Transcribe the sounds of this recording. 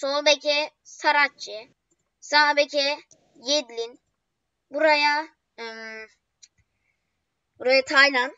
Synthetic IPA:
solˠbɛkʰʲɛsaɾat͡ʃːi | sabecʰɛ | jed̪lʲin | buɾaja | ɯm | buɾajat̪ʰajlʲan

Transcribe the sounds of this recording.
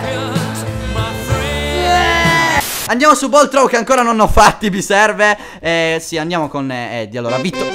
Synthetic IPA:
m | and̪jaːmosubɔlt̪ɾɔwkeaŋkoːɾanonɔfːat̪ːibisɛrve | ɛsiand̪jaːmokonɛɛd̪ːialːo̰ːɾavit̪ːo

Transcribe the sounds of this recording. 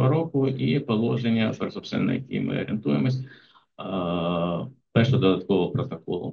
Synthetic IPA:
ɐɾokʊʔipɔlˠɔʐenʲːɐprsɔpst̪ʋʲɛ̰nːɔ̰jkʲḭjmɪ̰ɔ̰ɾʲɪnt̪ujɪmɔsʲ | pɛʃʊd̪ɔd̪ɐt̪̚kɔʋɐpɾɔt̪ɐkɔlˠʊ̰

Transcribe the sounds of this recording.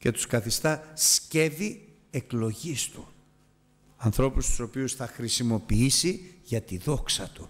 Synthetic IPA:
ce̞t̪u̥skɐθist̪ɐsce̞vi | e̞klo̞ʝist̪u | ɐnθɾo̞pust̪u̥so̞piusθɐxɾisimo̞piisiʝɐt̪iðo̞ksɐt̪u

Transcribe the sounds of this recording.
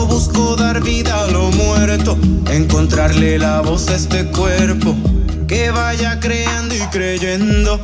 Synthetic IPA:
βuskoðaɾβiðaːlo̞mwe̞ɾt̪o̞eŋko̞nt̪ɾaɾlelaβo̞sest̪e̞kweɾpo̞ke̞βaʝakɾeand̪oikɾeʝend̪o̞

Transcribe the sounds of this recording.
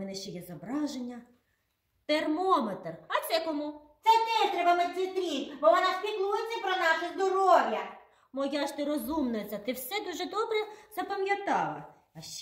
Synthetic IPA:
mɛnɛʃt͡ʃɛjɛzɔbɾɑʒenʲːɐ | t̪ermɔmet̪rɐt̪sɛkɔmut̪sɛt̪ɛʃt̪ɾɛbɐmɛsʲit̪ɾʲikbɔʋɔnɑspʲik̪lˠujet͡sʲːɐpɾɔnɑʃɪzd̪ɔɾɔwjɐ | mɔjɑʃt̪ɪɾɔzumnɐt͡s̪ʲɐt̪ɪwsɛd̪uʒɛd̪ɔbɾɛzɐpɐmʲjɐt̪ɑlˠɐ̰ | ɐʃt͡ʃ

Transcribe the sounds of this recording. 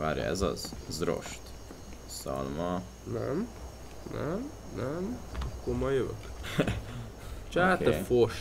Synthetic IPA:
ʋaːɾjɒ̰ɛzɒzzro̞̰ʃt̪ | sɒ̰lmɒ | nɛ̰m | nʔɛ̰m | nɛmɒkːoɾmɒjøvø̰k | t͡ʃatkɛfoʃ

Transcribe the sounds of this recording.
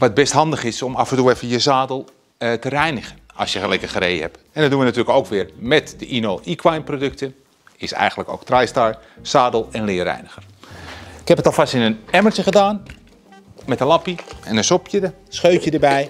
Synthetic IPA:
ʋat̚bɛsthɑndəχɪsomɑfəntuəɛfəjəsaːdəlˠ | tərɛjnəχənɑ̰sjəxəlɛjkəxəɾḛjhɛp | ɛndɔdunʋənatyːrləkowkʋɪːrmɛtdəʔinoːikʰwajmprodøk̚tə | ɪsɛ̰jɣəntləko̰ːktrajstaɹ | saːdlˠɛnlɪːərɛ̰jnəxər | ɪkhɛpətɔlˠfastɪnənɛmərtəɣədaːn | mɛtənlɑpiɛnənsopʰjədə | sxøːtjədəbɛj

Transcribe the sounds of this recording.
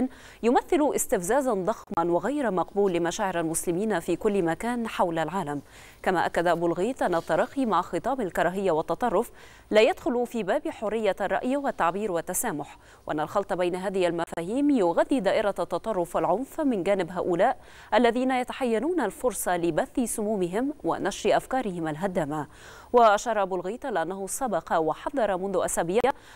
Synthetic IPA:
n | jʊmaθːɪluʔɪst̪ɪfzaːzand̪ˤɑxmanwɪɣajɾamɑqbuːlːɪmaʃaːʕɪɾalmʊslɪmiːnfiːkʊlːmakaːnħawlalʕaːlam | kamaːʔakːad̪aʔabuːlɣiːt̪ʔanːat̪ˤːɑɾˤɑːqːimaʕxɨt̪ˤɑːbalkɑɾˤɑːɦɪjːawɑt̪ːɑt̪ˤɑrˤːʊf | laːjad̪xʊlufiːbaːbiħʊrːɪjːarˤːɑ̰ʔjwat̪ːaʕbiːɾwat̪ːasaːmʊħ | wɪʔanːalxɑlt̪ˤɑbajnaɦaːðɪhalmafaːhiːmjʊɣaðːid̪aːʔɪɾat̪ːɑt̪ˤɑrˤːʊfalʕʊnfmɪnd͡ʒaːnɪbɦaːʔʊlaːʔ | ʔalːaðiːnajat̪aħajːanuːnalfʊɾsˤɑlɪbaθːɪsʊmuːmɪɦɪmwa̰naʃɾiʔafkɑːɾɪhɪmalɦad̪aːma | waʔaʃɑːɾˤɑʔabuːlɣiːt̪lɪʔanːahʊsɑbɑqɑwaħɑðˤːɑɾˤɑmʊnðʊʔasaːbiːʕ

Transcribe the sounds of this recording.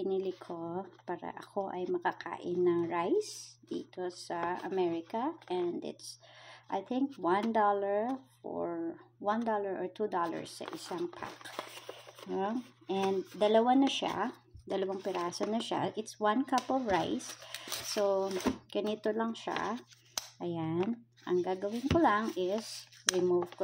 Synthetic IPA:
pɪnilɪkʰopaːɾɐ̰ʔɐ̰kʰo̞ʔɐjmɐkakʰa̰ːʔɪnːɐŋɹajsd̪̥ḭːt̪osɐɐ̰mɛɹɪkɐʔɛnd̪ɪ̰t̪sʔajθɪ̃ŋkwɐ̃nd̪ɔlɐɹfɔ̰ɹwãnd̪ɔlɐɹʔɔɹt̪ud̪ɔlɐ̰ɹsːɐ̰ʔɪsaŋpʰa̰k | noʔɛnd̪d̪ɐlɐwanɐʃa̰ | d̪ɐlɐwaŋpɪɾaːsɐnɐʃa̰ʔɪt̪swɐ̃nkɐpɔvɹajsː | oɡ̥ɐniːt̪olɐŋʃa̰ | ʔɐjan | ʔɐŋɡaːɡɐwɪnkʊlaŋɪsɹɪmuvk

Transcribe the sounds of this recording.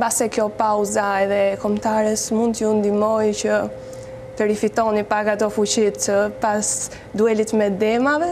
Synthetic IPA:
basɛkjɔpawzaɛðɛkɔmt̪aɾɛsmund̪jund̪imɔjcə | vɛɾifit̪ɔnipakat̪ɔfut͡ɕit̪əpas | d̪uɛlit̪mɛd̪ɛmavɛ

